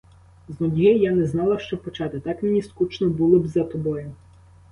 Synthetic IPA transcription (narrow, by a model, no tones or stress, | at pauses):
znɔdʲijɛjanɛznɑlˠɐʃt͡ʃɔpɔt͡ʃɑt̪ɪt̪ɑkmʲenʲiskut͡ʃnɔbulˠɪbzɐt̪ɔbɔjʊ